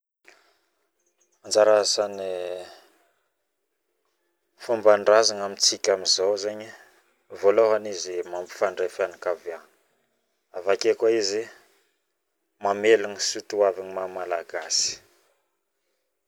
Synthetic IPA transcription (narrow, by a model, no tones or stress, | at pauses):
and͡zaɾasani | fambaɳɖ͡ʐazaŋamit͡sikʲamizawzaɲi | voloɦanizimambu̥faɳɖ͡ʐefanikavian | avakekaizi | mameluŋisut̪uaviɲimamalaɡasi̥